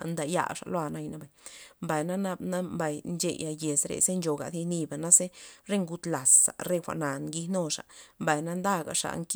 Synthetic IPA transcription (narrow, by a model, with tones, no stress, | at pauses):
nd̪a˧ja̰˧˨ʂa̰˨lo˦a˧na˧jna˦ba˨jmba˨jna˦na˦bna˦mba˨jnt͡ʃḛ˧˨ja˧je˨sɾḛ˧ze˦nd͡ʒo˨ɡa̰˨d̪i˧ni˧ba˨na˦se˦ɾe˦ŋɡu˧t̪la˨sa̰˨ɾe˦˧xʷa̰˨ʔna˨nɡi˧no˦˨ʂa̰˨mba˨jna˦nd̪a˦ɡa̰˨ʂa̰˧˨ŋk